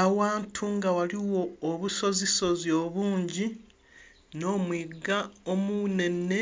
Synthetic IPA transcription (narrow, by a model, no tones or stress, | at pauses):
awaːntʰuŋɡawaliwo̞ːβuso̞ziso̞zjoβuːɲɟi | no̞ːmwiːɡaomune̞nːe̞